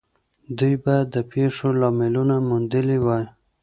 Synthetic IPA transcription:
d̪ujbad̪əpʰeʂolɑmɪlunamʊnd̪əliwaj

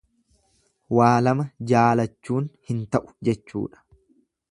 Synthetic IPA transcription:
waːlɐmɐd͡ʒaːlɐt͡ʃːuːnhɪnt̪ɐʔʊ̥d͡ʒɛt͡ʃːṵːᶑɐ̥

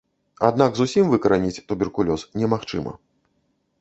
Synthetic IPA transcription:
a̰d̪naɡzusʲimvɨkɐɾanʲit͡sʲt̪ubʲɛrkulʲɔsnʲɛmaxt͡ʂɨmɐ̰

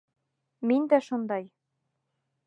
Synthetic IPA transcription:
minʲd̪æʃɤnd̪ɑj

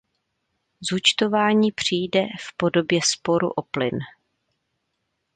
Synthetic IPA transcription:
zut͡ʃt̪o̞vaːɲiːpr̝̥ijdɛfpo̞do̞bjɛspo̞ɾṵʔo̞plɪn

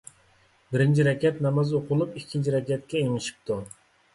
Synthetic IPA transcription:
bɪɾɪnt͡ʃʰiɾɛkʲɛt̪nɑmɑzoqʰʊlˠupikʲʰːint͡ʃʰiɾɛkʲɛt̪̚kʲɛeŋɪʃi̥p̚t̪ʰu

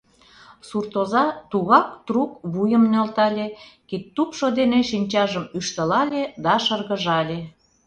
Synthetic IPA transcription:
surt̪ozɑt̪uɣɑk̚t̪rukβujəmnølt̪ɑlʲekit̪ːupʃod̪eneʃinʲt͡ɕɑʒəmyʃt̪ə̆lɑlʲed̪ɑʃərɣə̆ʒɑlʲe

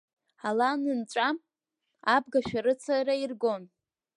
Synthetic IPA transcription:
alanɨnt͡ʃʷʼa | ab̚ɡaʃᶣaɾɨt͡sʰaɾairɡon

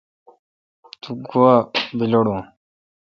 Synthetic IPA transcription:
t̪uɡuwabiloɽũː

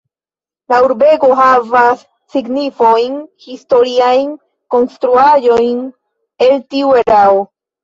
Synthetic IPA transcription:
lauɾbe̞ko̞ɦavasː | iɡnifo̞jnhisto̞ɾiajn | ko̞nstɾuaʒo̞jn | e̞ltiue̞ɾao

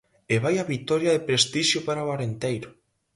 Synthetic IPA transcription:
eβajaβit̪ɔɾjaðepɾest̪iʃjopaɾaoaɾent̪ejɾʊ

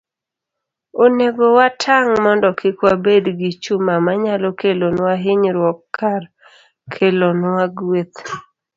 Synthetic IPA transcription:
oneɡowatʰaŋmɔndɔkʰɪkwabedɡɪt͡ʃumamaɲalɔkelonwaɦɪɲɾwɔkːar | kʰelonwaɡwet̪

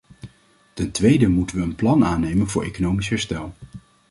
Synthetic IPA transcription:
tɛntʋejdəmutənʋəːnplɑnaːnejmənvʊːɹʔḛjkonowmisɦɛɹstɛlˠ

